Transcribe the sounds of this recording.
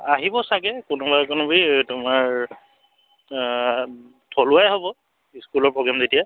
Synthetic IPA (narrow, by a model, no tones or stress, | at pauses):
aɦibɔsaɡɛkʊnubakʊnubitʊmaɹ | tʰolʊajɦobɔ | iskulɔɹpɹoɡɹamzetija